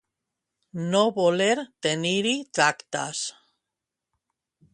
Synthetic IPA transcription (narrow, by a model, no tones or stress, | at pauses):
noβoleɾt̪eniɾit̪ɾakt̪a̰s